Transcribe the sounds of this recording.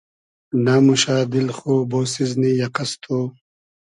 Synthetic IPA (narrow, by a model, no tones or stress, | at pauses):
namuʃaːd̪ilxoːboːsiznijaqɐst̪ʰo